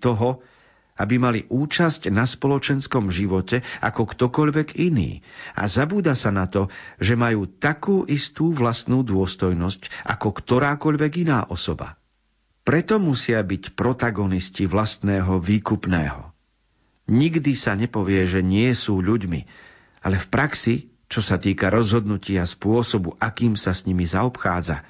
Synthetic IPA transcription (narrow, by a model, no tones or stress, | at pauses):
t̪ɔɦɔ | abimalḭʔuːt͡ʃascnaspɔlɔt͡ʃɛnskɔmʒiʋɔcɛa̰kɔkt̪ɔkɔʎʋɛɡinḭːa̰zabuːd̪asanat̪ɔʒɛmajuːt̪akuːʔist̪uːʋlast̪nuːd̪ʊɔst̪ɔjnɔscʔa̰kɔkt̪ɔɾaːkɔʎʋɛɡinaːʔɔsɔba̰ | pɾɛt̪ɔmusɪabicpɾɔt̪aɡɔnisciʋlast̪nɛːɦɔʋiːkupnɛ̰ːɦɔ̰ | ɲiɡd̪isaɲɛpɔʋɪɛʒɛɲɪɛsuːʎuɟmḭ | alɛfpɾaksi | t͡ʃɔsat̪iːkaɾɔzɦɔd̪nucɪaspʊɔsɔbuʔakiːmsasɲimizaɔpxaːd͡za̰